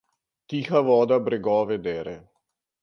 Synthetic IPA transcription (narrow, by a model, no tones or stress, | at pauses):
t̪ixaʋɔd̪abɾɛɡɔʋɛd̪ɛɾɛ